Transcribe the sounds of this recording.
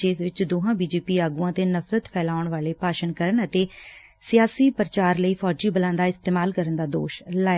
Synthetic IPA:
eːzʋɪt͡ʃd̪oːɦãːbiːd͡ʒeːpiːaːɡuãːt̪eːnəfʰɾət̪pʰɛːlaːʊɳʋaːleːpaːʃənkəɾəɳət̪eː | sɪjaːsiːpəɾət͡ʃaːɾləiːpʰɔːd͡ʒiːbəlãːnd̪aːɪst̪eːmaːlkəɾənd̪aːd̪o̰ːʃlaː

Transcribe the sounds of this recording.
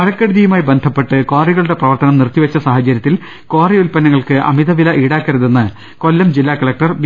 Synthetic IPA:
ɐɻɐkːɐɽuðijumaːjibend̪ʱɐpːe̞ʈːɨkoːriɣɐɭuɽe̞prɐʋɐrt̪ɐnɐmnirt̪ːiʋɐt͡ɕːɐsaːɦɐt͡ɕɐɾjɐt̪ːil | ko̞ːriulpɐnːɐŋːɐɭkɨʔɐ̰miðɐʋilɐʔiːɽaːkːɐɾuðenːɨ | ko̞lːɐmd͡ʑilːaːkɐɭɐk̚ʈɐrb

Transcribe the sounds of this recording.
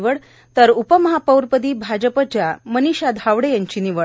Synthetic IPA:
ʋəɽ | t̪əɾupəməɦapəwɾpəd̪iːbʱad͡ʑəpət͡ɕaməniɕad̪ʱaʋɽejaɲt͡ɕiːniʋə

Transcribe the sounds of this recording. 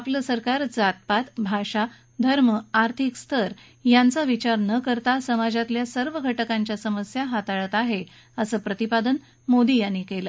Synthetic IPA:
apləsəɾkaɾd͡zat̪̚pat̪bʱaɕa | d̪ʱəɾməaɾt̪ʰikst̪ʰəɾ | jant͡saʋit͡ɕaɾnəkəɾt̪asəmad͡ʑat̪ljasəɾʋəɡʱəʈəkãɲt͡ɕjasəməsjaɦat̪aɭət̪aɦe | əsəːpɾət̪ipad̪ən | mod̪iːjanːikelə

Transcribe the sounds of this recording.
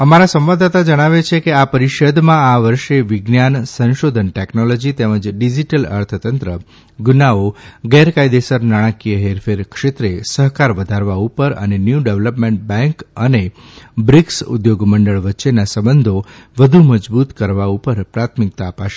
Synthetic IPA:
əmaɾasə̃mʋad̪at̪ad͡ʒəɽ̃aʋet͡ʃʰekeapəɾiʃəd̪mãaʋəɾʃeʋiɡnjansə̃nʃod̪ʱənʈeknolod͡ʒit̪eməd͡ʒɖid͡ʒiʈələ̰ɾt̪ʰət̪ənt̪ɾə | ɡunaoɡeɾkajd̪esəɾnaɽ̃əkijəɦeɾfʰeɾkʃet̪ɾesəɦkaɾʋəd̪ʱaɾʋaupəɾə̰nenjuɖeʋləpmẽɳʈ̚bɛ̃ŋkənebɾiksṵd̪joɡməɳɖəɭʋətːʃenasəbənd̪ʱoʋəd̪ʱuməd͡ʒbut̪kəɾʋaupəɾpɾat̪ʰmik̚t̪aːpaʃe

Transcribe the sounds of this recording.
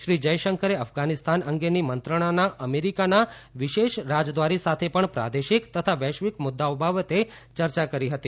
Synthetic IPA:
ʃɾid͡ʒəjʃəŋkʰəɾeəfɡanist̪ʰanəŋɡenimənt̪ɾəɽ̃anaʔəmeɾikanaʋiʃeʃɾad͡ʒd̪ʋaɾisat̪ʰepəɳpɾa̰d̪eʃikt̪ət̪ʰaʋɛʃʋikmʊd̪ːaobʱaʋət̪e | t͡ʃəɾt͡ʃakəɾiɦət̪i

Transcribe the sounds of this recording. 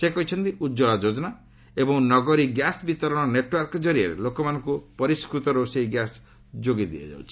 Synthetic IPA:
sekɔɦit͡ʃʰɔnt̪iud͡ʒɔɭad͡ʒod͡ʒɔna | ebɔŋnɔɡɔɾiɡjasbit̪ɔɾɔɽ̃ɔneʈwɔɾkɔd͡ʒɔɾiaɾḛlokɔmanɔŋkupɔɾiskɾut̪ɔɾoseiɡjas | d͡ʒoɡid̪ḭa̰d͡ʒa̰wt͡ʃʰi

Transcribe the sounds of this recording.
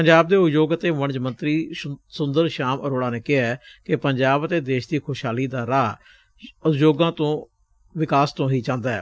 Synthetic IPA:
pəɲd͡ʒaːb̚d̪eːʊjoːɡət̪eːʋəɳd͡ʒmə̃nt̪ɾiːsʊnd̪əɾʃaːmʔəɾoːɽãːneːkɪɦaːkɪpəɲd͡ʒaːbət̪eːd̪eːʃd̪iːkʰoːʃɦaːliːd̪aːɾaː | ʊjoːɡãːt̪õː | ʋɪkaːst̪õːɦiːt͡ʃãːnd̪aːɛ̰ː

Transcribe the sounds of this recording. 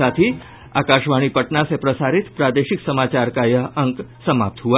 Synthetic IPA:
at̪ʰi | a̰kaʃʋaɽ̃ipəʈnasepɾəsaɾit̪pɾad̪eʃiksəmat͡ʃaɾkajəɦəŋksəmap̚t̪ɦua

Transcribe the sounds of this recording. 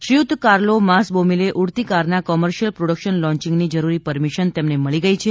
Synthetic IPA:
ʃɾiut̪kaɾlomasbomileʔuɽt̪ikaɾnakɔməɾʃəlpɾoɽəkʃənlɔ̃ɲt͡ʃiŋɡnid͡ʒəɾuɾipəɾmiʃənt̪emneməɭiɡəjt͡ʃʰe

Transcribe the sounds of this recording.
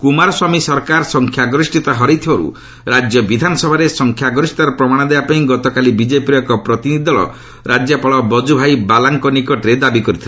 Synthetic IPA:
kumaɾɔswamisɔɾkaɾsɔŋkʰjaɡɾisʈit̪aɦɔɾijt̪ʰibɔɾṵ | ɾad͡ʒjɔbid̪ʱanɔsɔbʱaɾesɔŋkʰjaɡɾɔsi̥t̪aɾɔpɾɔmaɽ̃ɔd̪ebapaĩɡɔt̪ɔkalibid͡ʒepiɾɔkɔpɾɔt̪inid̪ʱɔɭɔ̰ | ɾad͡ʒjapɔɭɔbɔd͡ʒubʱajbalaŋkɔnikɔʈɾed̪abikɔɾit̪ʰila

